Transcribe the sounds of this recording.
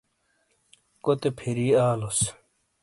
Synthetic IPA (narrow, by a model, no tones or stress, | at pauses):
kot̪epʰiɾiːaːlos